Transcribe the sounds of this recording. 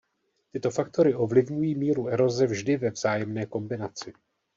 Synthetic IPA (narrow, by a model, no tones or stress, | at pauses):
t̪ɪt̪o̞fak̚t̪o̞ɾɪo̞vlɪvɲujiːmiːɾuʔɛɾo̞zɛvʒdɪvɛvz̥aːjɛmnɛːko̞mbɪnat͡sɪ